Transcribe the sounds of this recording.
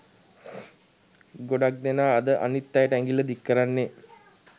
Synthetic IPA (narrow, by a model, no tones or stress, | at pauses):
ɡoɖak̚d̪enaːd̪əʔa̰nit̪ːajəʈəæŋɡilːəd̪ikːəɾanːe